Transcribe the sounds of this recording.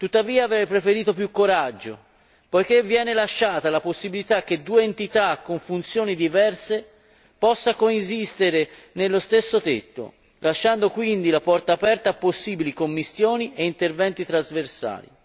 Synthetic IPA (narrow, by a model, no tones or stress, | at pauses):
t̪ut̪ːaviːaːvɛvjpɾefeɾiːt̪opjukːoɾad͡ʒːo̰ | pojk̟evːjɛːnelaʃːaːt̪alaposːibilit̪akːed̪ːuːeːnt̪it̪akːoɱfunt̪sjoːnid̪ivɛrse | pɔsːakoinsist̪eɾe | nelːost̪esːot̪et̪ːo̰ | laʃːand̪okwind̪ilapɔrt̪aːpɛrt̪aːpːosːiːbilikomːisːjoːnieint̪ervɛnt̪it̪ɾazversa̰ːlḭ